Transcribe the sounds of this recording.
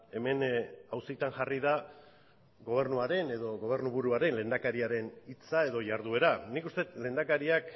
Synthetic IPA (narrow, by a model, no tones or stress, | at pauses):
e̞me̞nawsit̪anʝariða | ɡo̞β̞e̞ɾnuaɾe̞ne̞ðo̞ɣo̞β̞e̞ɾnuβuɾuaɾe̞nle̞nd̪akaɾiaɾe̞nit͡sae̞ðo̞ʝaɾðue̞ɾanikust̪e̞t̪le̞nd̪akaɾiak